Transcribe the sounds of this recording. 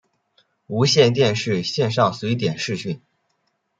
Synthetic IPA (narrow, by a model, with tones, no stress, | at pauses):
u˧˥ɕjɛ˥˧nt̪̬jɛ˥˧nʂɻ̩˥˧ɕjɛ˥˧nʂ̬ɑ˥˩ŋswe˧˥ɪt̪̬jɛ˨˩nʂɻ̩˥˧ɕy˥˩n